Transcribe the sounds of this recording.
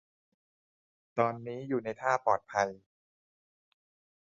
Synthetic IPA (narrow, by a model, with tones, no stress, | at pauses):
t̪ɔː˧nːiː˦˥juː˨˩na˧jt̪ʰaː˥˩pɔː˨˩t̪̚pʰa˧j